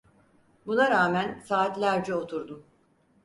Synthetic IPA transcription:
bunaɾaːmænsaːt̪lʲæɾd͡ʒɛo̞t̪ʰuɾd̪um

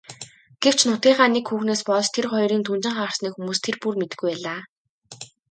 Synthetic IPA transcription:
ɡ̥ew̥t͡ɕʰnʊt̪ʲiːɴχaːnekxuːxneːspɔɮt͡ɕt̪ʰerχɔjɾiːnt̪ʰunt͡ɕɪ̆ŋχaːə̆r̥sniːkxumuːst̪ʰerpurmet̪ɘ̆ɡujpæːɮaː

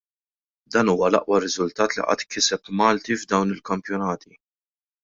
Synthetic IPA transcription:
d̪ɐːnuːwɐlɐ̰ʔwɐrɪzʊlt̪ɐːt̪lḭʔɐ̰ːt̪kɪsɛpmɐːlt̪ivd̪ɐwnɪlkɐmpjɔnɐːt̪ʰi

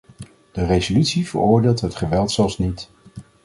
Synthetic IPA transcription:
d̥ərejzolytsivə̰ɹʊːɹdeːlˠtɦətχəʋɛlˠtsɛlˠsnit

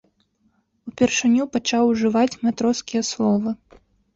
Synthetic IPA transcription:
upʲɛrʂɨnʲupat͡ʂawʐɨvat͡sʲmat̪ɾɔskʲijɐslˠɔvɨ

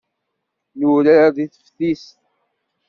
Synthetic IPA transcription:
nuɾaɾaðiθə̥fθist̪

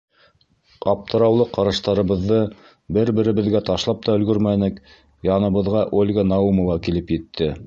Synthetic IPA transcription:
ɑp̚t̪ʰɤ̆ɾɑwlˠɤqɑɾɑʃt̪ɑɾɤ̆βɤ̆ðːɤ | bɘɾbɘ̆ɾɘ̆βɘ̆ðɡæt̪ɑʃlˠɑp̚t̪ɑɵ̆lɡɵɾmænɘk | jɑnɤ̆βɤ̆ðʁɑʔolʲɡanɑumŏvɑkilɘpjɘ̆t̪ʰːɘ

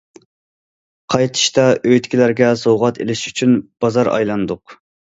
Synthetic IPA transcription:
qʰɑjt̪ʰɨ̥ʃt̪ɑʔøjt̪kʲilæɾɡʲɛsowʁɑt̪ʰelɪʃyt͡ʃʰynb̥ɑzɑɾɑ̰jlˠɑnd̪ʊq

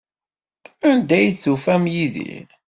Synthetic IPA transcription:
ænd̪æjθufæmjiðḭɾ

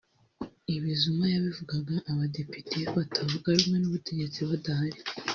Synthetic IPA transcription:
iβizumajaβivuɡaɡaʔːβade̞pitʰeβatʰavuɡaɾumŋe̞nuβute̞ɟe̞t͡siβadahaɾi

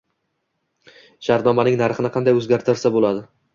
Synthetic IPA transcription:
ʃaɾt̪nɒmanɪŋnaɾχɨnɪqʰɑnd̪ajɵzɡʲaɾt̪ʰɪɾsabolad̪ɪ

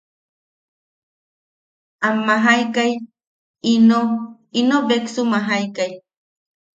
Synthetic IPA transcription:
amːaɦajkaj | ino | inobeksumaɦajkaj

